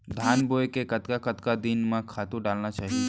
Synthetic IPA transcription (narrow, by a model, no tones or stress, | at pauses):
d̪ʱaːnbojkekɐt̪kakət̪kad̪inmãkʰaːt̪ũɖaːlnat͡ʃaːɦi